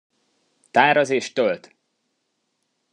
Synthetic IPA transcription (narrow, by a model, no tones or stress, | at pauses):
t̪aːɾɒzeːʃt̪ølt̪